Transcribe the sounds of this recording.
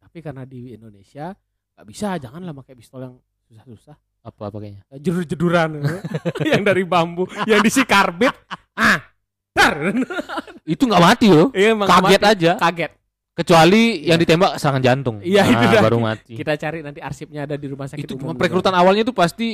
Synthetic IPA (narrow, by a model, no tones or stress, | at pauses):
t̪apikarənadiindonesia | ŋɡaʔbisad͡ʒaŋanlahmakajbist̪ɔljaŋ | susahsusah | apapakeɲad͡ʒədurd͡ʒəduɾan | jaŋdaɾibambujaŋdisikarbɪt̪̚ | a | darnit̪uŋɡaʔmat̪iloamakaɡɛt̪ad͡ʒakaɡɛt̪̚ | kət͡ʃualijaŋdit̪embaksəɾaŋand͡ʒant̪ʊŋijaiuabaɾuma̰t̪ikit̪at͡ʃaɾinant̪iarsɪp̚ɲaːdadiɾumahsakiɪt̪ut͡ʃumanpɾekəɾut̪anawalɲat̪upast̪i